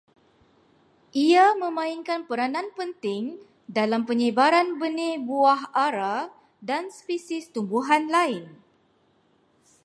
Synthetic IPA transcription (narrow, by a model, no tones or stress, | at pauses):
ʔiamə̃mãinkanpəɾanãnpənt̪ɪŋ | dalampəɲəbaɾanbənẽbuaɦaɾa | danspisɪst̪umbuɦanlaɪn